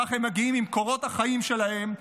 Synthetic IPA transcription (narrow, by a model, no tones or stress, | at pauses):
aχemːaɡiimimko̞ʁo̞t̪haχaimʃe̞lahe̞m